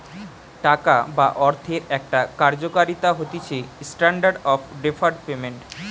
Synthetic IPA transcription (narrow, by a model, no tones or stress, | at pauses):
ʈakabaʔɔɾt̪ʰeɾɛk̚ʈakaɾd͡ʑokaɾit̪aɦot̪it͡ɕʰesʈaɳɖaɾɖɔfɖefʰaɾɖpemeɳʈ